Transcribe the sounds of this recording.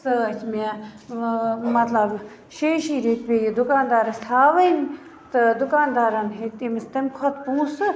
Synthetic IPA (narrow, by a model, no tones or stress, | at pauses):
sət͡ʃme | mɐt̪lɐb | ʃeːʃiːɾet̪bejid̪ʊkaːnd̪aːɾɐst̪ʰaːʋən | t̪ɨd̪ʊkaːnd̪aːɾanɦet̪emist̪ɐmʲkʰɐt̪puːsɨ